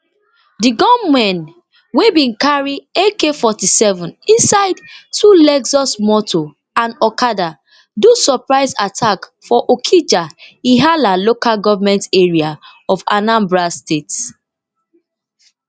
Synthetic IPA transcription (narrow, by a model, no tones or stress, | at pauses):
diɡɔ̃mmɛ̃n | webĩnkaɹiekefɔtisɛvɔ̃nĩnsaɪdtulɛɡsɔsmɔtʰo | ãnɔkada | dusɔpɹaɪsatʰakfɔʔokʰid͡ʒaiɦalalokalɡɔvamɛ̃nteɹiaɔvanãmbɹastets